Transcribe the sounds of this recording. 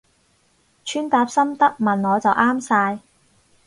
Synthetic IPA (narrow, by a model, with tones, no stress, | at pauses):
t͡ʃʰyː˥nt̪aː˧p̚sɐ˥mt̪ɐ˥k̚mɐ˨˩nɔː˨˧t͡sɐ˨wʔaː˥msaː˧j